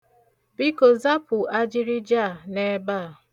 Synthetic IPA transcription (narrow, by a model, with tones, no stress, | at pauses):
bi˦ko˨za˦pʊ˨a˦d͡ʒi˦ɾi˦d͡ʒa˦˨ne˨˦baː˦˨